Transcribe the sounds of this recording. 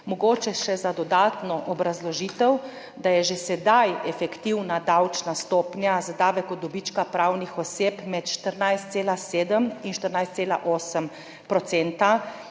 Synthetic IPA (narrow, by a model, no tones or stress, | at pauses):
mɔɡoːt͡ʃɛʃɛzad̪ɔd̪aːt̪nɔʔɔbɾazlɔʒiːt̪əw | d̪ajɛʒesɛd̪ajɛfɛkt̪iwnad̪awt͡ʃnast̪oːpnjazad̪aːʋɛkɔd̪ɔbit͡ʃkapɾawnixɔseːpmɛt̪ʃt̪əɾnajst̪seːlaseːd̪əminʃt̪əɾnajst̪seːla̰ʔoːsəm | pɾɔt̪sent̪a